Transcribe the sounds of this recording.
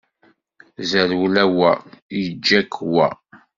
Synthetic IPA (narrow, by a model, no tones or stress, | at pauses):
zəɾwlæwæ̰jəd͡ʒːækʰwæ̰